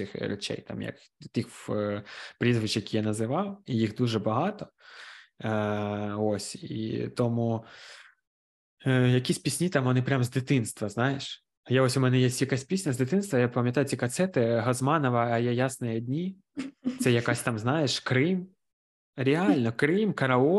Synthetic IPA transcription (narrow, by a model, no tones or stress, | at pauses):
ɪxɾʲɛ̰t͡ʃɛ̰jt̪ɑ̰mjɐ̰k | t̪ix | pɾʲizʋɨt͡ʃjɐkijanɐzɪʋɑwijixd̪uʒɛbɐɦɑt̪ɔ | osʲḭt̪ɔmu | jɐkʲisʲpʲisʲnʲit̪ɑmʋɔnɪpɾʲamzd̪ɪt̪ɪnst̪ʋɐznɑjɪʃ | jɛosʲʊmɛnɛjesʲtʲjɐkasʲtʲpʲisʲnʲɐzd̪ɪt̪ɪnst̪ʋɐjapɐmʲjɐt̪ɑjʊt͡sʲikɐt̪sɛt̪ɪɦɐzmɑnɔʋɐɐjɛjasnɐjɐd̪ʲnʲi | t̪sɛjɐkasʲt̪ɑmznɑjeʃkɾɪm | ɾʲeɑlʲnɔkɾɪmkɐɾɐɔ